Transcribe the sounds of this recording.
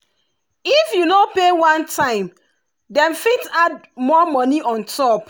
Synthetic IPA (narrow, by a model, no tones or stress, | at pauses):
ifjunopewãntʰãɪ̃m | dɛ̃mfitad̚ | mɔmɔniʔɔ̃ntʰɔp